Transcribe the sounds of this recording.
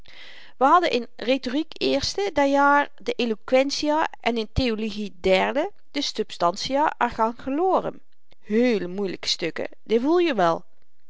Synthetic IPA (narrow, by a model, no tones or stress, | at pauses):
ʋəɦɑdənʔɪnretorikɪːɹstədɛjaːɹ | dəʔelokʋɛnsiaʔɛnɪnteoloɣidɛɹdə | d̥əsɵpstɑnsijaʔəɹɣaːnχəloːrə̰n | ɦeːləmujləkə̥stɵkə̰ | dɪvulˠjəʋɛlˠ